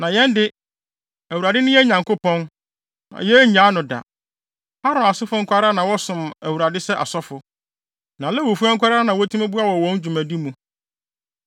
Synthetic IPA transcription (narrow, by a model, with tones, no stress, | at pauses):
nã˨jɛ̃˦ndɪ˦ | æ˨wu˨ɾa˨dɪ˦nʊ̃˦jɛ˦ɲã˨ŋkʊ˦pʰɔ̃˦n | nã̰˨jɛ˦ɲã˦nʊ̃˨da̰˨ | ha˦ɾʊ̃˨a˨sɪ˦fʊ˦ŋ̩˦kʷa˦ɾaː˦nã˨wɔ˦sʊ̃˨mæ˨wu˨ɾa˨dɪ˦sɛ˦ʔa̰˨sɔ˦fʊ˨ | nã˨lɛ˦wo˨fu˦a˦ŋ̩˦kʷa˦ɾaː˦nã˨wɔ˦tʰu˦æ˦bu˦a˦wɔ˨wɔ̃˦n˦d͡ʑᶣu˨mæ̃˨di˦mũ˨